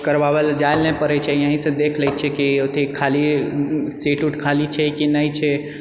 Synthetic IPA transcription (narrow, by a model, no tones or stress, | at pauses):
kəɾʋaʋəld͡ʒaɪlnẽpəɾɛt͡ʃʰɛjəɦĩsẽd̪eːkʰləjt͡ʃʰɛkiot̪ʰikʰali | seːʈuʈkʰalit͡ʃʰekinəit͡ʃʰɛ